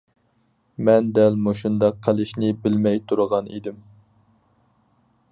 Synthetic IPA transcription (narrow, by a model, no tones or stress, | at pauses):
mɛnd̪ɛlmoʃund̪ɑqʰːælɪʃnɪbɪlmɛjt̪ʰuɾəʁɑnḭd̪ɪm